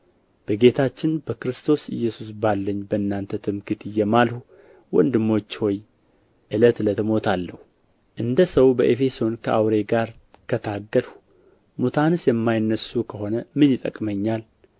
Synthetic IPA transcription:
b̥əɡe̞t̪ʰat͡ʃːɪnbəkɾɨst̪ʰo̞sɨ̰jːɛsus̬balːəɲːbəɨnːant̪ʰət̪ʰɨmkɨt̪ɨjːɛmalhu | wɔ̰nd̪ɨmːo̞t͡ʃːho̞j | ʔɨlət̪lət̪ʰɨmo̞t̪ʰalːəhu | ʔɨnd̪əsəwbəʔefe̞so̞nkʰəʔawɾe̞ɡaɾkʰət̪ʰaɡːəlhu̥ | mut̪ʰanɨsjɛmːajnːəsukʰəɦo̞nəmɨnjɪt̪ʼə̰kʼməɲːal

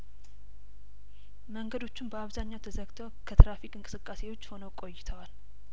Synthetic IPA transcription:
məŋɡəd̪o̞t͡ʃːunbəaβzaɲːawt̪ʰəzəɡt̪ʰəwkʰət̪ʰɾafikʼɨŋkʼɨ̥sɨkʼːase̞wo̞t͡ʃːho̞nəwkʼo̞jːɪt̪ʰəwal

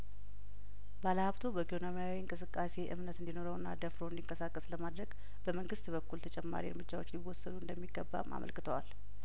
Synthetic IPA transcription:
baləhaβt̪ʰobəɡonomijawiɨŋkʼɨsɨkʼːase̞ʔɨ̰mnət̪ɨnd̪inoɾəwɨnːa̰d̪əfɾond̪iŋkʼəsakʼːəsləmad̪ɾəɡ | b̥əməŋɡɨst̪bəkːult̪ʰət͡ʃʼɛmːa̰ɾḭɨɾmɨd͡ʒːawo̞t͡ʃːliwɔsːəd̪uɨnd̪əmːiɡːəbːa̰mʔa̰mʔə̰lkɨt̪ʰəwa̰l

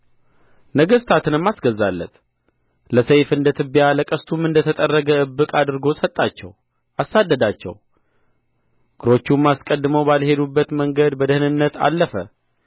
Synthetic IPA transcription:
nəɡəst̪ʰat̪ʰɨnɨmːasɡəzːa̰lːə̰t̪ | ləsejfɨnd̪ət̪ʰɨbjaləkʼəst̪ʰumɨnd̪ət̪ʰət̪ʼərːəɡəɨbːɨkʼad̪ɨɾɡo̞sət̪ʼːat͡ʃːɛ̰w | asad̪ːəd̪at͡ʃːɛ̰w | ɡ̥ɨɾo̞t͡ʃːumːaskʼəd̪ːɨməwbalhe̞d̪ubːət̪məŋɡəd̪bəd̪əhɨnɨnːət̪ʰa̰lːəfə

